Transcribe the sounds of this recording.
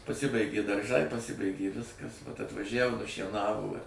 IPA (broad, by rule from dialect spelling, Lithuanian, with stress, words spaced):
pɐˈsʲɪbɐɪɡʲeː dɐrˈʒɐɪ pɐˈsʲɪbɐɪɡʲeː ˈʋʲɪskɐs ɐtʋɐˈʒʲæʋoː nʊʃʲiɛˈnɑːʋoː ɪ